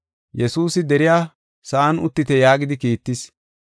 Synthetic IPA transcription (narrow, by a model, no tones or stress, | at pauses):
jɛsuːsɪd̪ɛɾɪjaː | sɐʔɐnʊt̪ːɪt̪ɛjaːɡɪd̪ɪkiːt̪ːɪs